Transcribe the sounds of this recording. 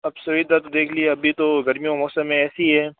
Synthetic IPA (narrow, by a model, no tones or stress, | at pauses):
ɐbsʊɦid̪at̪od̪eːkʰlieɐbʱit̪oɡɐɾmijõmɔːsəmːẽɛːsiɦɛː